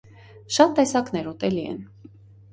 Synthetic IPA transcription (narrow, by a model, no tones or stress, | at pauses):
ʃɑt̪ːɛsɑknɛɾɔt̪ɛliɛ̰n